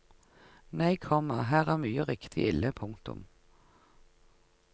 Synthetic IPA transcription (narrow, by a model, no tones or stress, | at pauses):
næɪkʰɔmɑɦæːʁæːʁmyːəʁɪkt̪ʰɪ̰ʔɪlːəpʰʊŋt̪ʊ̰m